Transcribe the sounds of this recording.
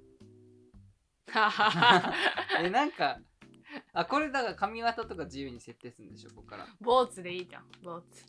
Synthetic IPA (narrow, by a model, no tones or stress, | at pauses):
haːha | enãŋka | ako̞ɾe̞d̪akakamʲiβat̪at̪o̞kad͡ʑijɯ̟ːɲ̟ise̞t̪ːe̞ːsɨɾɨ̃nd̪e̞ɕo̞ːko̞kːaɾa̰boːt͡sɨd̪e̞iːd͡ʑã̰boːt͡sɨ̥